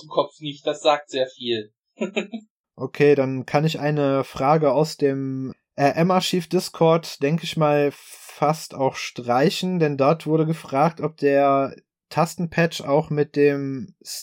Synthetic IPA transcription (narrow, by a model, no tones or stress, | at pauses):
mkʰɔpfnɪçt̚d̥asz̥aːk̚tz̥eːɐfiːl | ʔokʰeːdankʰanɪçʔaɪnəfʁ̥aːɡəaʊsd̥eːm | ʔɛɐʔɛmaɐʃiːfd̥ɪskʰɔɐtd̥ɛŋkəɪçmaːlfastaʊxʃtʁ̥aɪçn̩dɛndɔɐtv̥ʊɐɾəɡəfʁ̥aːk̚tʔɔp̚d̥eːɐ | tʰastn̩pʰɛt͡ʃa̰ʊxmɪt̚d̥eːms